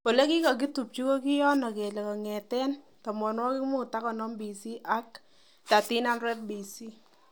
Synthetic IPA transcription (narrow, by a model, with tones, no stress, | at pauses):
wo˨le˦ki˦kɔ˨k̬i˦tu˨p̚t͡ʃi˦ko˦ki˦jɔ˦nɔ˨ke˨le˨kɔ˨ŋɛ˨tɛ˦n | tɔ˨mɔ˨nwɔ˦ki˦kmu˦˨ta˦kɔ˨nɔ˦mbi˨si˦ʔa˦k | ta˨ti˦na˦nɾɛ˦p̚bi˨si˦